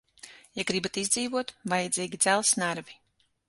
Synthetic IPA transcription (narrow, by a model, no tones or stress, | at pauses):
jaɡɾibat̪izd̪ziːvuɔt̪vajad̪zʲiːɡʲid̪zælˠsnaɾvi